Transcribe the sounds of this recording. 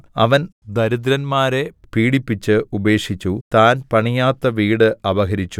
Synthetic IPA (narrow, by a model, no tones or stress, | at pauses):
ɐ̰ʋɐnd̪ɐɾud̪ɾɐnmaːɾepiːɽipːit͡ɕːɨube̞ːkʂit͡ɕːut̪aːnpɐɳijaːt̪ːɐʋiːɽɨɐʋɐɦɐɾit͡ɕːu